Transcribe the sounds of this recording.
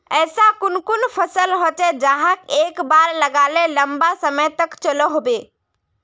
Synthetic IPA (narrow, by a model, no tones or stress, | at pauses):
əːsakʊnkunpʰəsəlɦot͡ʃed͡ʒaɦəkekbaɾləɡaleləmbasəməjt̪əkt͡ʃələɦobe